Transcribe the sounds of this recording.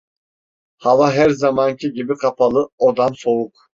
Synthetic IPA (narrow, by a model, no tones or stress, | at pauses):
havaɦæɾzamancʰiɟibikʰapʰalˠɯod̪anso̞uk